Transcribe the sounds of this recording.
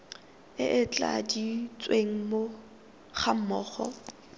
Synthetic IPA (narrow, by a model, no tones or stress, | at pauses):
ɪʔɪt͡ɬʼa̰dit͡sʼweŋ̩mo | χam̩mɔːχɔ̰